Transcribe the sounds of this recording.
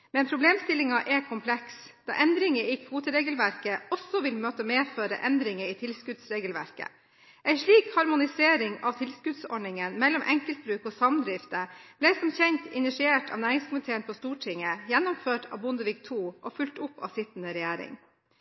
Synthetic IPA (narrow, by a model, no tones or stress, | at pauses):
mɛnpʰɾʊbleːmst̪ɪlɪŋɑʔɛkʰʊmpʰlɛks | d̪̥ɑ̰ːʔɛnd̪ɾɪŋəiːkʰʋuːt̪əɾeːɡəlʋæɾkəɔsɔʋɪlmøːt̪əmeːføːɾə̰ʔɛnd̪ɾɪŋəiːt̪ʰɪlskʉd̪sɾeːɡəlʋæ̰ɾkə̰ | ʔæɪʂɭiːkhɑɾmʊnɪseːɾɪŋɑʋt̪ʰɪlskʉd̪sɔ̰ɖɳɪŋənmɛlːɔmʔɛ̰ŋkəlt̪̚bɾʉːkoːsɑmd̪ɾɪft̪əb̥lɛsɔmçɛɲt̪ɪnɪʂɪeːʈɑ̰ʋnæːɾɪŋskʰʊmɪt̪ʰeːənpʰɔst̪uːʈʰɪŋəjɛnːɔmføːʈʰɑ̰ːʋbʊnd̪əʋɪk̚t̪ʰuːʔɔfʉlt̪ʊpːɑ̰ʋsɪt̪n̩əɾɛjæːɾɪ̰ŋ